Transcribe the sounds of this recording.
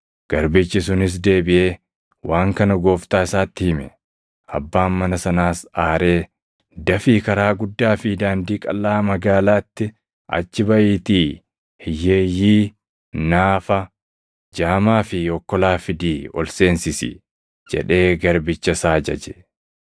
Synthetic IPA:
ɡ̥ɐɾbɪt͡ʃːɪs̬ʊnɪs̬d̪e̞ːbɪʔe̞ː | wʔaːŋkɐnɐɡo̞ːft̪aːɪsaːt̪ːɪhɪmɛ | ʔɐ̰bːaːnmɐnɐsɐnaːsaːɾe̞ː | d̪ɐfiːkɐɾaːɡʊd̪ːaːfɪd̪aːnd̪iːkʼɐlːaːmɐɡaːlaːt̪ːɪ | ʔɐ̰t͡ʃːɪbɐʔiːt̪iː | hɪjːeːjːiː | naːfɐ | d͡ʒaːmaːfɪɔkːɔlaːfɪd̪iːɔ̰lse̞ːnsɪsɪ̰ | d͡ʒɛ̰ᶑe̞ːɡɐɾbɪt͡ʃːɐsaːd͡ʒɐd͡ʒɛ̥

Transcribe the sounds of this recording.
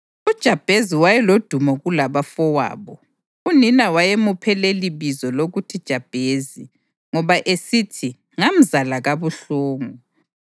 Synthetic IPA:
ud̥ʒ̥ʱab̥ʱeziwajɛlod̥ʱumɔɣulaβafɔwa̰ːβɔ | uninawajemupʰɛleliβizɔloɣutʰid̥ʒ̥ʱab̥ʱezi | ŋɔβaʔesitʰi | ŋam̩zalaɣaβuɬoːŋu

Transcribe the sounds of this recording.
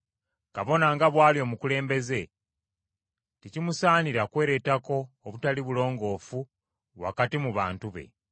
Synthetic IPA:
kaβo̞naŋɡaβwaːlio̞ːmukule̞ːmbe̞ze̞ | ticimusaːniɾakwe̞ːɾe̞tako̞ːβutaliβulo̞ːŋɡo̞ːfu | βwa̰katimuβa̰ːntuβe̞̰

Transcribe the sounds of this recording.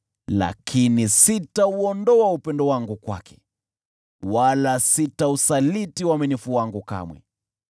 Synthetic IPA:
la̰kʰinisitauɔndɔaupɛndɔwaŋɡukwa̰kʰɛ̥ | walasitausalitiwaminifuwaŋɡuka̰mwɛ̰

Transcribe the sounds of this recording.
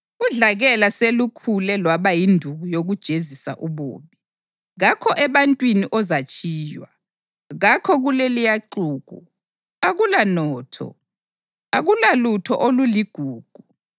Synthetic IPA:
uɮaɣɛlaselukʰulɛlwaβajindʱuɣujoɣud̥ʒ̥ʱezisa̰ʔuβo̰ːβi | ɣakʰɔʔɛβantʼwiniʔɔzat͡ʃʰʼiːjwa̰ | ɣakʰɔɣulɛlijaǃuːɣ̥ʱṵ | aɣulanɔːtʰɔ̰ | aɣulalutʰɔ̰ʔoluliɡ̥ʱuːɡ̥ʱu

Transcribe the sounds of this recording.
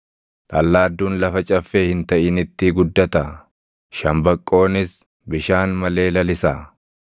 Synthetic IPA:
t̪ʼɐlːaːd̪ːuːnlɐfɐt͡ʃʼɐfːeːhɪnt̪ɐʔɪnɪt̪ːɪɡʊd̪ːɐt̪ɐ | ʃɐmbɐkʼːo̞ːnɪs | bɪʃaːnmɐle̞ːlɐlɪsaː

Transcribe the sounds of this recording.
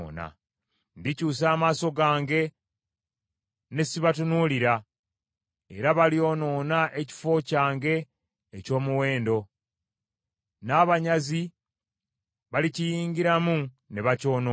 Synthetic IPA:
na̰ | ndicuːs̬aːmaːso̞ɡaːŋɡe̞ | ne̞siβatunuliɾa | e̞ɾaβalio̞ːno̞ːnaʔe̞ci̥fo̞caːŋɡe̞ː | co̞ːmuwe̞ːndo̞ | naːβaɲazi | βalicijiːɲɡiɾamu | ne̞βaco̞ːno

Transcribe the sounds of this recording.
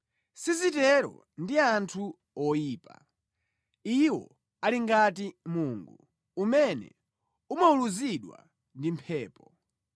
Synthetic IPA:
sizitɛɾɔ̰ | ndiantʰu | ɔjiːpa̰ | iwɔ̰ | aliŋɡatimuːŋɡu | umɛnɛ̰ | umauluziɗwa̰ | ndimpʰɛːpɔ

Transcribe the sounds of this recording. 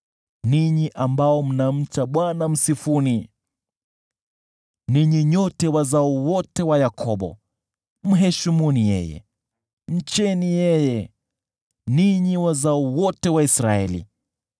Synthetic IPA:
niɲiʔambaɔm̩nam̩t͡ʃaɓwanam̩sifuni | niɲiɲɔtɛwazauwɔtɛwajakʰɔɓɔ̰ | m̩ɦɛʃimunijɛ̰jɛ̰ | m̩t͡ʃɛnijɛjɛ | niɲiwazauwɔtɛwaisɾaɛ̰lḭ

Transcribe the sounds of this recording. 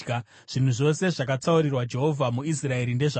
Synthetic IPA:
ʐ̥in̤uʐo̞se̞ʐakat͡sauɾirwad͡ʒe̞ɦo̞vʱamuis̬rae̞ɾinde̞ʐa

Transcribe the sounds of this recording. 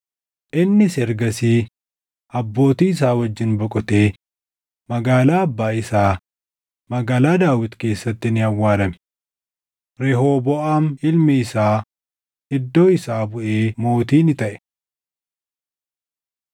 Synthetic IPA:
ʔɪnːɪsɛɾɡɐsiː | ɐbːo̞ːt̪iːɪs̬aːwɐd͡ʒːɪnbɔkʼɔt̪e̞ː | mɐɡaːlaːɐbːaːɪsaː | mɐɡaːlaːd̪aːwɪt̪ke̞ːsːɐt̪ːɪnɪhɐwːaːɾɐmɛ̥ | ɾɛɦoːbɔʔaːnɪlmɛɪsaː | ɪd̪ːo̞ːɪsaːbʊʔeːmo̞ːt̪iːnɪt̪ɐʔɛ̥

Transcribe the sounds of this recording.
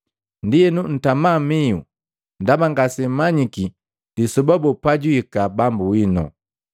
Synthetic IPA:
ndijɛnun̩tamamiṵ | ndabaŋɡasɛmaɲiki | disɔbabupaɟwikabambuwinɔ̰

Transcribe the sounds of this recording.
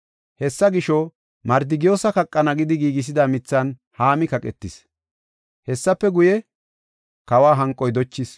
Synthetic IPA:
hɛsːɐɡɪʃɔ | mɐɾd̪ɪɡɪjoːsɐkɐkʼːɐnɐɡɪd̪ɪɡiːɡɪs̬ɪd̪ɐmɪt͡sːɐnhaːmɪkɐkʼɛt̪ːɪs | hɛsːɐpːɛɡʊjɛ | kɐwaːɦɐŋkʼɔjd̪ɔt͡ʃːɪs

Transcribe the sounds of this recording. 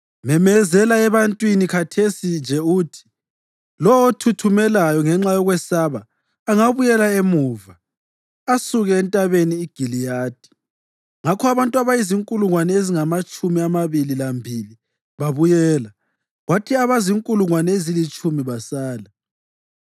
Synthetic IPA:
mɛmɛzɛlaɛβantʼwinikʰatʰesind͡ʒʱɛuːtʰi̥ | lɔwotʰutʰumɛlajɔŋɛŋ͡ǁajɔɣwɛsaβaː | ŋaβujɛlaemuːva | asuɣɛːntʼaβeniːɡ̥ʱilijaːd̥ʱi̥ | ŋakʰɔaβantʼuaβajiziŋkʼuluŋwanɛeziŋamat͡ʃʼumiamaβililambʱili | βaβujɛːla | ɣwatʰiaβaziŋkʼuluŋwanɛezilit͡ʃʼumiβasaːla

